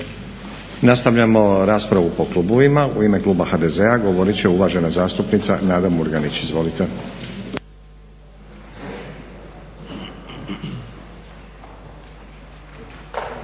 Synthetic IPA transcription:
nast̪aʋʎamo̞ɾaːspɾaʋupo̞klˠuboʋimauime̞klˠuːbaxaːd̪e̞ze̞aɡo̞ʋo̞ɾit͡ɕeuʋaːʒe̞nazaːst̪upnit̪sanaːd̪amuɾɡanit͡ɕizʋo̞lit̪e̞

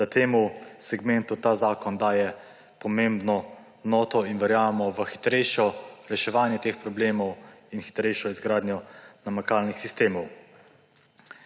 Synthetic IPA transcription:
at̪eːmusɛɡmɛnt̪ut̪aːzaːkɔnd̪aːjɛ | pɔmembnɔ | nɔːt̪ɔinʋɛɾjaːʋɛmɔʋəxi̥t̪ɾɛjʃɔɾɛʃɛʋaːnjɛt̪eːxpɾɔbleːmɔwinxi̥t̪ɾɛjʃɔizɡɾaːd̪njɔnamakaːlnixsist̪eːmɔw

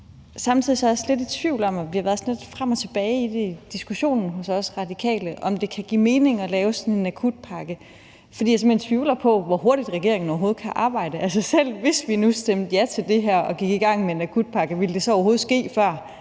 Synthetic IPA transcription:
sɑ̈mt͡sʰið̰ˠisɒ̽ɐjslede̝d̥t͡sʰʋiʊ̰lɒ̽mæʋihɑʋæɐðˠsnled̥fʁam̰ɒ̽t͡sʰe̝b̥ɛːɪid̥e̝id̥isɡ̥uɕo̝̰ːnn̩ɦɔ̽sɒ̽sʁɑ̈d̥ikʰɛ̰ːləʔɒ̽md̥e̝kʰæɡ̥ḭme̝ːne̝ŋɒ̽lɛːʊsɒ̽ne̝nækʰud̥̚pʰɑ̈ɡ̥ə | fɒdḭːjɑsemhent͡sʰʋiːʊlɐpʰɒ̽ʋɒho̝ɐɾ̥id̥ʁɛɡ̥e̝ɐ̰e̝ŋn̩ɒʊɐɦo̝ːð̞̩ˠkʰæʔɑ̈ːb̥ɑ̈ɪ̰d̥əʔæls̬əsel̰ʋe̝sʋinusd̥emd̥əjæt͡sʰe̝ld̥e̝ɦæɐ̰ɒ̽ɡ̥iɡ̥iɡ̥ɑ̈ŋ̰meenækʰud̥̚pʰɑ̈ɡ̥əʋild̥e̝sɒ̽ɒʊɐɦo̝ːð̞̩ˠsɡ̥e̝̰ːfɶɐ̰

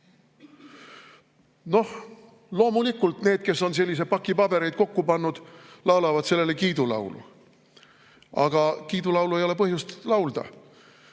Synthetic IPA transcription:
no̞h | lo̞ːmulikːˑult̪neːd̪̥̚ke̞sːo̞ns̬e̞lːis̬e̥pɑkːˑipɑb̥e̞ɾe̞jd̪̥̚ko̞kːupɑnːud̪̥lɑwlɑvɑd̪̥se̞lːe̞le̞kiːd̪ulɑ̰wlṵ | ɑ̰ɡ̥ɑkiːd̪ulɑwluejo̞le̞pɤhjust̪lɑwld̪̥ɑ̰

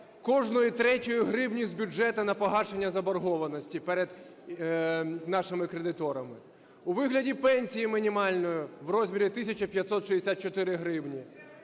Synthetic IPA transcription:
kɔʒnɔjʊt̪ɾɛtʲɔjʊɦɾɪbnʲisʲtʲbʲʊd͡ʒɛt̪ɐnɐpɔɦɑʃenʲːɐzɐbɐrɦɔʋɐnɔsʲtʲipɛɾed̪ | nɑʃɪmɪkɾed̪ɪt̪ɔɾɐmɪ | uʋɪɦlʲɐdʲipɛnʲsʲijimɪnʲimɑlʲnɔjʊʋrɔzʲmʲiɾʲit̪ɪsʲɐt͡ʃɐpʲjɐt̪sɔt̪ʃiesʲat̪̚t͡ʃɔt̪ɪɾɪɦɾɪwnʲi

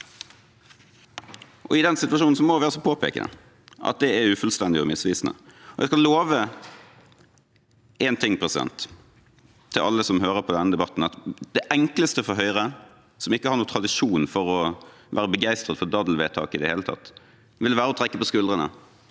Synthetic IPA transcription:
ʔɔ̰ɪd̪ɛnsɪt̪ʉʋɑʂuːn̩sɔmɔʋæːɾəsɔpʰoːpḛːkə̰nə̰ | ʔɑ̰t̪̚d̪ɛæʉːfœlst̪ɛnd̪ɪɔmɪsʋiːsnə̰ɔjʔæɪskɑlːoːʋə | ɛnt̪ʰɪŋːpʰʁɛsɪd̪ɛ̰nt̪ʰ | ɪlʔɑ̰lːəsɔmɦøːɾəpʰɔd̪ɛnːəd̪ɛbɑt̪n̩ɑt̪d̪̥æʔɛŋkləst̪əfɔɾɦœʏɾə | sɔmɪkːəhɑɾnuːt̪ʰʁɑd̪ɪʂuːnfɔɾɔ | ʋæ̰ːɾəbəɡæɪst̪ɾət̪fɔd̪ɑd̪l̩ʋeːt̪ʰɑ̰ːkɪd̪ɛheːlət̪ʰɑ̰t̪ː | ʋɪlʋæːɾəɔt̪ʰɾɛkːəpɔskʉld̪ʁənə̰

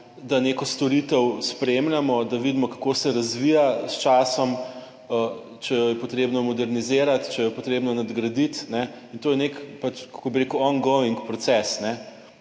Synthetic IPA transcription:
d̪anekɔst̪ɔɾit̪əwspɾemlamɔd̪aʋid̪imɔkḁkosɛɾɐzʋijast͡ʃaːsɔm | ə | t͡ʃɛjɔjɛpot̪ɾeːbnɔmɔd̪ɛɾnizeːɾat̪t͡ʃɛjɔjɛpot̪ɾeːbnɔnad̪ɡɾɐd̪it̪nɛint̪oːjɛnekpat͡ʃkkobiɾekuwɔnɡoiŋkpɾɔt̪sɛsnɛ

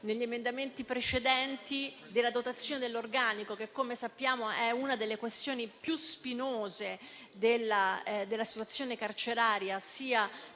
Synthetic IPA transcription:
neʎːiemend̪ament̪ipɾet͡ʃed̪ɛnt̪id̪elːad̪ot̪at̪sːjoːned̪elːorɡaːnikokekːomesapːjaːmoɛunad̪elːekwest̪joːnipjuspinoːze | d̪elːad̪elːasi̥t̪wat̪sːjoːnekart͡ʃeɾaːɾjasiːa

